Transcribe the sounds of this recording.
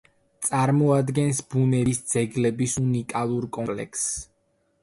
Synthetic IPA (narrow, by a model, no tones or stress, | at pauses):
t̪sʼaɾmɔad̪ɡɛnsbunɛisd̪z̥ɛɡlɛbisunikʼalˠuɾkʼɔpʼlɛ̰ks